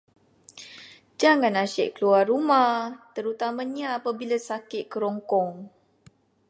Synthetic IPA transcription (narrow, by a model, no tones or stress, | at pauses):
d͡ʒaŋãnaʃɛʔkəluarumaht̪əɾut̪amãɲaːpabilasakɪʔ̪̚kəɾɔŋkɔŋ